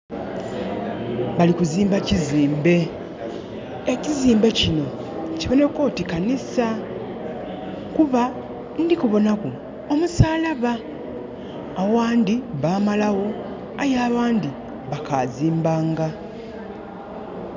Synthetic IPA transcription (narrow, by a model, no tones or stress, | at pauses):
βalikuziːmbaciziːmbe̞ | eciziːmbe̞cino̞ciβo̞ne̞ko̞ːtikanisa | kuβa | ndikuβo̞naku | omusaːlaβa | waːndiβaːmalawo̞ | ajaːβaːndi | βakaziːmbaːŋɡa